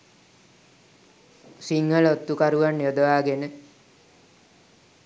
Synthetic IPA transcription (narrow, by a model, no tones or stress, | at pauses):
siŋəlot̪ːukaɾuʋanːjod̪əʋaːɡenə